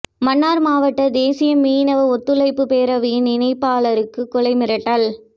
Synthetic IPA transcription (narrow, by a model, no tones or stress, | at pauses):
mɐnːaːɾmaːʋɐʈːɐd̪eːsɪjɐmiːnɐʋɐɔt̪ːɯlɐɪpːɯpeːɾɐʋiːnɪnɐɪpːaːɭɐɾɯkːɯkːʊlɐɪmɪɾɐʈːɐl